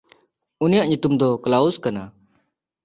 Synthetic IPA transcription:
unijaʔɲut̪umd̪ɔklauskana

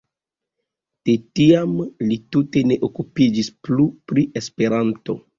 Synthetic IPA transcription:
d̥etiamlitute̞ne̞ʔokupid͡ʒisplupɾiʔe̞spe̞ɾanto̞

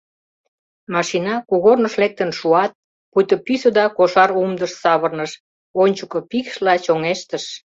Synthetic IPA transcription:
mɑʃinɑkuɣornəʃlek̚t̪ənʃuɑt̪̚ | pujt̪əpysəd̪ɑkoʃɑɾumd̪əʃsɑβərnəʃ | onʲt͡ɕukŏpikʃlɑt͡ɕoŋeʃt̪əʃ

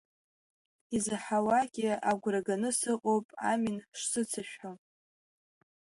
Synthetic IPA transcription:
izɨħawakʲʼiaɡʷraɡanɨsɨqʼowpʼa̰minʂsɨt͡sʰaʃᶣħo

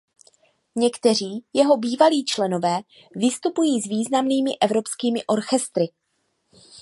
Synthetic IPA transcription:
ɲɛkt̪ɛr̝iːjɛɦo̞biːvaliːt͡ʃlɛno̞vɛː | vɪst̪upujiːzviːznamniːmɪʔɛvɾo̞pskiːmɪʔo̞ɾxɛst̪ɾɪ

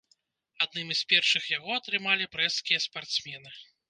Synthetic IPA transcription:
ad̪̚nɨmspʲɛrʂɨxjaɣɔɐt̪ɾɨmalʲipɾɛskʲijɐspart̪smʲɛnɨ

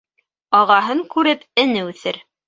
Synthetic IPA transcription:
ɑʁɑɦɤŋkʉɾɘpɘ̆nɘʉθɘɾ

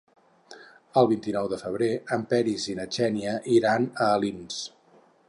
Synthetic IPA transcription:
əlˠβint̪inɔwðəfəβ̞ɾeəmpɛɾizinət͡ʃɛniəʔiɾanəːlins

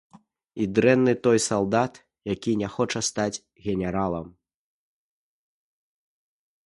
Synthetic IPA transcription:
id̪ɾɛnːɨt̪ɔjsalˠd̪at̪ | jakʲinʲɛxɔt͡ʂɐst̪ad͡zʲ | ɣʲɛnʲɛɾalˠɐ̰m

